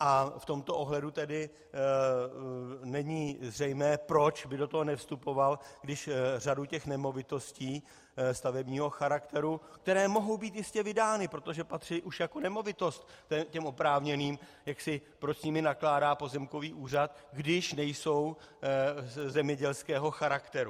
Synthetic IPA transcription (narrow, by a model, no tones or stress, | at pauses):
ʔaft̪o̞mt̪o̞ʔoɦlɛdut̪ɛdɪ | nɛɲizrɛjmɛːpɾo̞t͡ʃbɪdo̞t̪oɦonɛfst̪upo̞valɡdɪʃr̝aducɛxnɛmo̞vɪt̪o̞sciː | st̪avɛbɲiːɦo̞xaɾakt̪ɛɾuk̚t̪ɛɾɛːmo̞ɦo̞wbiːt̪jɪscɛvɪdaːnɪpɾo̞t̪o̞ʒɛpat̪r̝̥ɪʔuʃjako̞nɛmo̞vɪt̪o̞st̪ːɛcɛmʔo̞pɾaːvɲɛniːmjaksɪpɾo̞t͡ʃsɲɪmɪnaklaːdaːpo̞zɛmko̞viːʔuːrat̪ɡdɪʃnɛjso̞w | zɛmɲɛɟɛlskɛːɦo̞xaɾakt̪ɛɾu